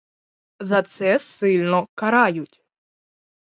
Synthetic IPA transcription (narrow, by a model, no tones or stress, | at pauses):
zɐt̪sɛsɪlʲnɔkaɾajʊtʲ